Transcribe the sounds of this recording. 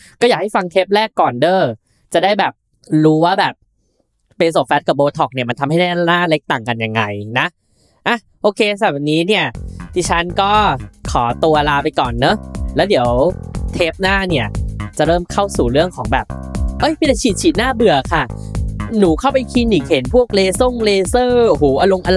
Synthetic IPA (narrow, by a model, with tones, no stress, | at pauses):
kɔː˥˩jaː˨˩k̚ha˥˩jfa˧ŋt̪ʰeː˦˥p̚lɛː˥˩kːɔː˨˩ndɤː˥˩ | t͡ɕa˨˩daː˥˩jbɛː˨˩p̚ | ɾuː˦˥waː˥˩bɛː˨˩p̚ː | e˧ns̬oː˨˩fɛ˦˥ka˨˩boː˧t̪ʰɔ˨˩k̚ni˥˩ma˧nt̪ʰa˧mha˥˩da˥˩a˧laː˥˩le˦˥k̚t̪a˨˩ŋka˧nja˧˩ŋːa˧jna˦˥ | ʔa˧˩ | ʔoː˧kʰeː˧s̬a˨˩ba˨˩niː˦˥ni˥˩ɐd̪iː˧t͡ɕʰa˦˥nkɔː˥˩kʰɔː˩˦t̪u˧ɐlaː˧pa˧jkɔː˨˩nːɤ˦˥lɛː˦˥wdi˨˩˦əwt̪ʰeː˦˥p̚naː˥˩ni˥˩ɐt͡ɕa˨˩ɾɤː˥˩mkʰa˥˩wsuː˨˩ɾɯ˥˩əŋkʰɔː˩˦ŋbɛː˨˩p̚ʔɤ˦˥˩jpʰi˧˥la˧˩jt͡ɕʰiː˨˩t̪̚t͡ɕʰiː˨˩t̪̚naː˥˩bɯ˨˩ɐkʰa˥˩nuː˩˦kʰa˥˩wpa˧jkʰi˧nːiː˨˩khe˩˦npʰu˥˩ək̚leː˧so˥˩ŋleː˧sɤː˥˩huː˩˦ʔa˧lo˧ŋʔa˧l